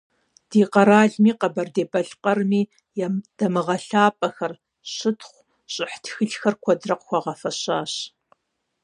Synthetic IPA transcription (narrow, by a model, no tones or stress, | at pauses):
d̥iːqɐɾaːɮmiːqɐbɐrdeːbʼɐɬqɐrmiː | jɛd̥ɐmɨʁɐɬaːpʼɐxɐr | ɕɪtʰχʷ | ɕʼɪħtʰxɨɮxɐrkʷʰɔdrɐqxʷɔʁɐfɐɕaːɕ